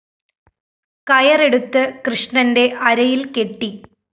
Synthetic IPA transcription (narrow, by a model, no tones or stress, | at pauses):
kɐjɐre̞ɽut̪ːɨkrɨʂɳɐnde̞ʔɐɾɐjilke̞ʈːi